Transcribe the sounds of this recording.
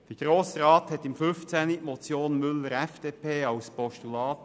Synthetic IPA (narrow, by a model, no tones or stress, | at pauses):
d̥iːɡ̥ɾoːsɾɑːt̪hɛt̪ːɪmfʏnft͡sɛnimɔt͡sjoːnmʏlːəɾɛfd̥eːpʰeːɑlspʰɔʃtulɑːt̪